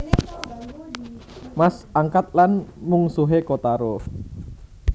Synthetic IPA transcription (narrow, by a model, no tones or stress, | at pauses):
masʔaŋkat̪̚lanmuŋsuɦekot̪aɾo